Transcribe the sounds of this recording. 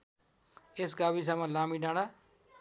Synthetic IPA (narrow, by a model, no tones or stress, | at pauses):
esɡabis̬amʌlamiɖãɽa